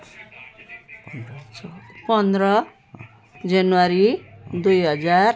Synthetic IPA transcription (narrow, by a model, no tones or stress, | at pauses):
pʌnd̪rʌ | d͡zanuwaɾid̪ujɦʌd͡zar